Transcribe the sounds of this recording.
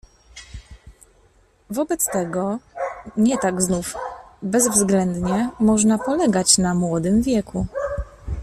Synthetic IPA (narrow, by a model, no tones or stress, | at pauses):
vɔbɛt̪st̪ɛɡɔ | ɲɛt̪aɡznufbɛzvzɡlɛnd̪ɲɛmɔʐnapɔlɛɡat͡ɕnamwɔd̪ɘmvʲjɛkʰu